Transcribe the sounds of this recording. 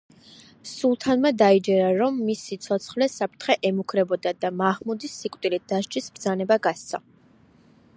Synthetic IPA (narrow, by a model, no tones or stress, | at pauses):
sulˠt̪ʰanmɛd̪aid͡ʒɛɾaɾɔmːisit̪sʰɔt̪sʰχlɛsapʰɾt̪ʰχɛʔɛmukʰɾɛbɔd̪ad̪amaʁmud̪isːikʼt̪ʼilid̪̥aʃd͡ʒisbɾd̪zanɛbaɡast̪sʰa̰